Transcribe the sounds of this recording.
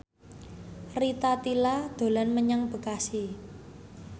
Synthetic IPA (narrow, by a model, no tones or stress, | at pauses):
rit̪at̪ilad̪̥o̤lanməɲaŋb̥ə̤kasi